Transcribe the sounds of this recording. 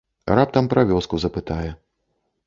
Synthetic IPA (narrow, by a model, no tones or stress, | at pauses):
rap̚t̪ɐmpɾavʲɔskuzɐpɨt̪ajɛ